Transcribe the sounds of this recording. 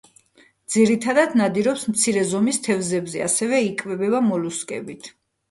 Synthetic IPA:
d̪z̥iɾit̪ʰad̪ad̪nad̪iɾɔpsmt̪sʰiɾɛzɔmist̪ʰɛvzɛbzɛa̰sɛvɛikʼvɛbɛbamɔluskʼɛ̰bit̪ʰ

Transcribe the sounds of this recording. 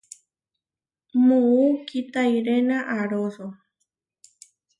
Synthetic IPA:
mũukit̪ajɾenãʔaɾoso

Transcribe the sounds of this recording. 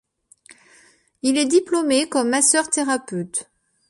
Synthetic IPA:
ilɛd̪iplomekɔmːasœʁt̪eʁapøt̪

